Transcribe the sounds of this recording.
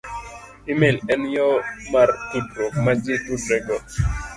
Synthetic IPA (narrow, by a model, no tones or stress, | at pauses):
ɪmelɛnjɔmarkudɾokmad͡ʒɪkudɾɛɡɔ